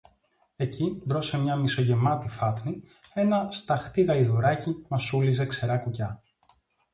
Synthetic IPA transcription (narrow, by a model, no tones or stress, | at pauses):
e̞civɾo̞se̞mɲɐmiso̞ʝe̞mɐt̪ifɐt̪ni | e̞nɐst̪ɐxt̪iɣɐliðoɾɐcimɐsulizekse̞ɾɐkucɐ